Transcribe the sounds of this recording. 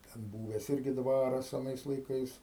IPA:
tʲɛn ˈbuːʋʲɛs ˈɪrʲɡʲɪ ˈdʋɑːrɐs ɐˈnɐɪs lˠɐɪˈkɐɪs

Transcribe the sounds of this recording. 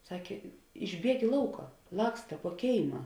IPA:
ˈsɑːkʲeː ɪʒʲˈbʲiɛk ɪ ˈlˠɐʊkɐ ˈlˠɑːkstɐ puɔ ˈkʲeːɪmɐ

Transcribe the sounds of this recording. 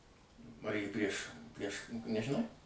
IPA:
pɐˈrʲeːj pʲrʲiɛʃ pʲrʲiɛʃ nʲɛʒʲɪˈnɐʊ

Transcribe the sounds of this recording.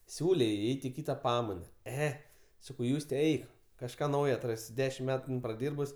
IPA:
ˈsʲuːlʲeː jɛɪ ˈɛɪtʲ ɪ ˈkʲiːtɐ ˈpɑːmɐɪnɐ ˈɛ ˈsɑːkɐʊ ˈjuːsʲtʲɛ ˈɛɪk kɐʃˈkɑː ˈnɐʊjoː ɐtˈrɑːsʲɪ ˈdʲæːʃʲɪm ˈmʲæːtʊ ˈɪn prɐˈdʲiːrbʊs

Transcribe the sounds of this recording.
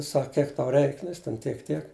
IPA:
ˈsɐk ˈkʲiɛk tɐʊ ˈrʲɛɪk ˈnʊ jɪs tʲɛn ˈtʲiɛk ˈtʲiɛk

